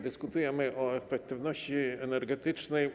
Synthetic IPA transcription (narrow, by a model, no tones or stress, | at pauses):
d̪ɘskut̪ujɛmɘʔɔɛfɛk̚t̪ɘvnɔɕt͡ɕiɛnɛɾɡɛt̪ɘt͡ʂnɛj